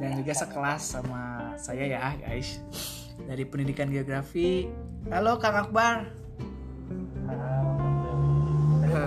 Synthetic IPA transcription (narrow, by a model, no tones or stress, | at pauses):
daŋd͡ʒuɡasəkəlasːamasajajaɡa̰ɪs | daɾipənidikanɡeoɡɾafi | halokaŋak̚bar